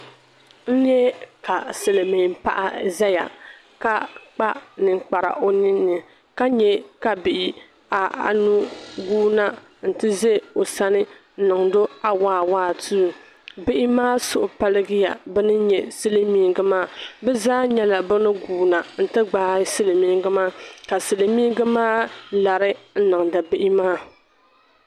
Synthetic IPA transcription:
n̩˦ɲɛ˦ka˨sɨ˨lɨ˨mɪ˨pa̰˦ʔa̰˦za˦ja̰˨ | ka˦k͡pa˦nɨ˨ŋk͡pa˨ɾa̰˨ʔo˦nɪ˦nːɨ˨ | ka˦ɲɛ˦ka˨bɪ˨ʔɪ˦ | a˨a̰˨nu˦ɡuː˦na˦ | n̩˨tɨ˦ze˦o˨sa˦nɪ˦ | nɨ˨ŋdo˦a˦waː˦˨waː˦˨tu˦˨ | bɪ˦ʔɪ˦maː˦sʊ˨ʔʊ˨pa˦lɨ˦ɡɨ˦ja̰˨bɛ˦nɨ˦ɲɛ˨sɨ˦lɨ˦miː˦ɡɨ˦maː˦˨bɛ˦zaː˦ɲɛ˦la˨bʊ˦nɨ˦ɡuː˨na˨n̩˨tɨ˦ɡ͡baː˦sɨ˦lɨ˨miː˦ɡɨ˦maː˦ka˨sɨ˨lɨ˨mi˦ɡɨ˦maː˦la˨ɾɪ˦n̩˦nɨ˨ŋda˨bɪ˦ʔɪ˦maː˦

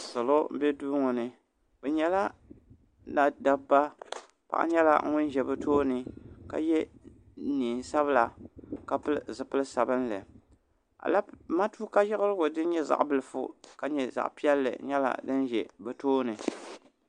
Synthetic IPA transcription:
sɔ˨lo˦m̩˦bɛ˦duː˦ŋɔ˨nɨ˨ | bɛ˨ɲɛ˨la˦ | na˨da˨ba˦ | pa̰˨ʔa̰˦ɲɛ˦la̰˦ŋʊ˦n˦ʒɛ˨bɛ˨tʰoː˦nɨ˨ka̰˨jɛ˦ | niː˨sa˦βɨ˦la˨ka˦pɨ˦lzɨ˨pɨ˦lɨ˦sa˨bɨ˦n˦lɨ̰˨ | a̰˨la˦ma˦tuː˦ka˦jɪ˦ɣɨ˦ɾɨ˦ɡʊ˨dɨ˦n˦ɲɛ˦za̰˨ʔbɨ˨lɨ˨fʊ̰˨ka˨ɲɛ˨za̰˨ʔpi˦ɛ˦lːɨ̰˨ɲɛ˦la̰˨dɨ˦n˦ʒɛ̰˨bɛ˨toː˦nɨ˨

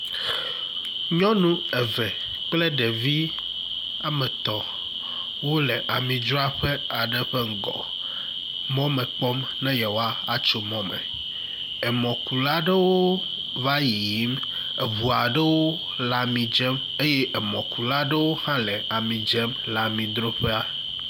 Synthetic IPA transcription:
ɲɔ̃˦nũ˦ɛ˨vɛ˨ | k͡ple˦ɖe˨vi˦ | a˦mɛ̃˨t̪ɔ˨ | wo˦lɛ˨ʔa˨mĩ˨d͡ʒɾɔ˦a˦ɸe˦a˨ɖɛ˦ɸe˦ŋ̩˨ɡɔ̰˨ | mɔ̃˦mɛ̃˨k͡pɔ˦m | nɛ̃˦ja˨wo˦a˦a˨t͡ʃo˨mɔ̃˦mɛ̰˨ | e˨mɔ̃˨ku˨la˦ɖe˦wo˦ | va˦ji˨ji˦m | e˨βu˨a˨ɖe˦wo˦ | la˨mĩ˨d͡ʒɛ˦m | e˦je˦ʔe˨mɔ̃˨ku˨la˦ɖe˦wo˦hã˦lɛ˨a˨mĩ˨d͡ʒɛ˦m | la˨mĩ˨d̪ɾo˦ɸe˦a˨

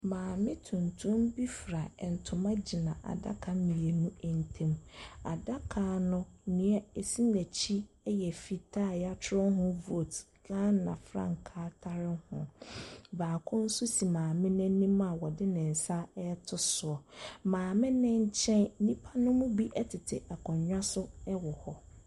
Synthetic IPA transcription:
mãː˨mɪ̃˦tʰũ˨ntʰũ˦mbi˦fɾa˨ɛ˨n̩˨tʰʊ̃˨mã˦d͡ʑi˨nã˨ʔa̰˨da̰˦kʰa˨mĩ˨je˨nũ˦ɛ˨n̩˨tʰɛ̃˦ma̰˨da˦kʰa˨nʊ̃˦nɪ̃˨ɛ˦e˨si˦næ̃˨t͡ɕʰi˦ | ɛ˦jɛ˨fi˨tʰa˦˨ja˦tʰɾʊ˦ɦʊ̃˦vo˦˨t | ɡã˦nã̰˨fɾã̰˦ŋ̩˨kʰaː˦tʰa˦ɾɪ˦hʊ̰̃˨baː˨kʰʊ̃˦n̩˦sʊ˦si˨mãː˨mɪ̃˦nɪ̃˦nĩ˦ma˨wɔ˨dɪ˦nɪ̃˨n̩˨sa˦ɛ˦tʰʊ˦sʊ˨ɔ˨mãː˨mɪ̃˦nɪ̃˦ɲ̩˦t͡ɕʰɛ̃˦n˦nĩ˦pʰa˦nʊ̃˦mʊ̃˦bi˦ʔɛ˦tʰɪ˨tʰɪ˨ʔa˨kʰɔ̃˨ɲɲᶣa˦sʊ˦ɛ˦wɔ˨hɔ˦

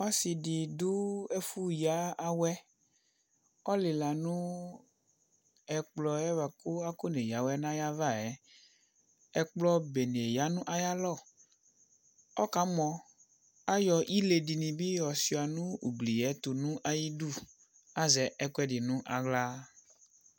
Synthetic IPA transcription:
a˦si˨di˨du˦ɛ˦fu˦ja˨˦a˦wɛ˦ | ɔ˦li˨la˨nũ˦ | ɛ˨k͡plɔ˨ɛ˦va˨ko˦a˦ko˦ne˨ja˨˦wɛ˦nã˦ja˦va˦˨ɛ˨˦ | ɛ˦k͡plɔ˦be˨ne˨ja˨˦nũ˦ʔa˦ja˦lɔ˦˨ | ɔ˦ka˨˦mɔ̃˨ | a˦jɔ˨ʔi˦le˨di˨nĩ˨bi˦jɔ˨si˨a˨nũ˦ṵ˨ɡ͡bli˨jɛ˨˦t̪o˨nũ˦ʔa˦ji˦du˦˨ | a˦zɛ˨ɛ˦kɛ˦di˨nũ˦ʔa˨ɡla˦

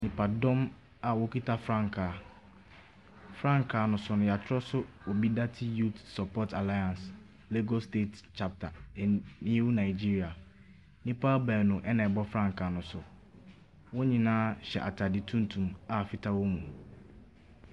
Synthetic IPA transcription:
nĩ˨pʰa˨dɔ̃˦m | a˨wɔ˨kʰi˦tʰa˦fɾã˦ŋkʰaː˨ | fɾã˦ŋkʰaː˨nʊ̃˨sʊ˨˦nʊ̃˨ja˨t͡ɕʰɪ˦ɾɔ˦sʊ˦wɔ˨bi˦da˦tʰi˦ju˦tsɔ˨pʰɔ˦tʰa˨la˦jã˨ns | le˦ɡɔ˦ste˦tt͡ɕʰa˨p̚tʰa˨nɪ̃˦e˦wu˦nã˨ɪ˨d͡ʑi˦ɾi˨a˨ | nĩ˦pʰa˦bɛː˨nʊ̃˨ʔɛ˦nã˨ɛ˨bɔ˦fɾã˦ŋkʰaː˨nʊ̃˨sʊ˨ | wɔ˦ɲĩ˨nãː˦ɕɛ̰˨ʔa̰˨tʰa˨dɪ˨tʰũ˦n˦tʰũ˨ma˨fɪ˦tʰa˦wɔ˦mũ˨

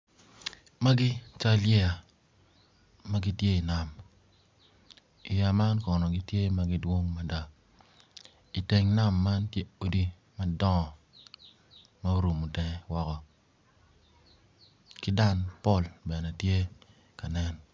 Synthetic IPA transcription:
ma˦ɡɪ˦t͡ʃa˦ljɛ˦a˨ | ma˦ɡɪ˦tje˦i˨na˨m | i˨ja˨ma˦nkɔ˨nɔ˨ɡɪ˦tje˦ma˦ɡɪ˦dwo˦ŋma˦da˨ | i˨te˨ŋna˦˨mːa˦ntje˦o˦di˦ | ma˦dɔ˦˨ | ma˦o˦ɾu˨mu˨tɛ˨ŋ˨wɔ˦kɔ˨ | kɪ˦da˦npɔ˦˨lbɛ˨nɛ˨tje˦ | ka˨nɛ˦n

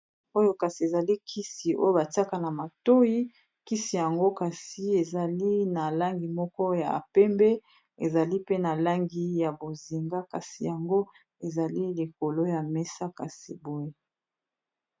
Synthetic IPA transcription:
o˦jo˦ka˨si˨e˨za˨li˦kʰi˦si˨o̰˦jo˦ba˨ti˦a˦ka˨na˨ma˨to˦ji˦ | ki˦si˨ja˨ŋɡo˦ka˨si˨e˨za˨li˦na˨la˦ŋɡi˨mɔ˦kɔ˦ja˨a̰˨pɛ˦mbe˦ | e˨za˨li˦pe˦na˨la˦ŋɡi˦ja˨bo˨zi˨ŋɡa˦ka˨si˨ja˨ŋɡo˦ | e˨za˨li˦li˨ko˨lo˦ja˨me˦sa˦ka˨si˨bo˦je˦

